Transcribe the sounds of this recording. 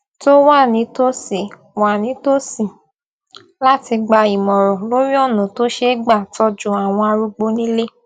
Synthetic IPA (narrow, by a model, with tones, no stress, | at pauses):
to˦wa˦˨nĩ˨˦to˦si˨ | wa˨nĩ˨˦to˦si˨ | la˦ti˧ɡ͡ba˧i˨mɔ̃˨ɾɔ̃˨lo˨˦ɾi˦ɔ˦˨nũ˨to˦ʃe˦ɡ͡ba˦˨tɔ˧d͡ʒũ˨˦a˨w̃ɔ̃˧a˧ɾu˧ɡ͡bo˧nĩ˦le˦